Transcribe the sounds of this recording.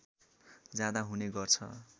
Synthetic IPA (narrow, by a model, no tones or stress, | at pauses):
d͡zjad̪aɦuneɡʌrt͡sʰʌ̰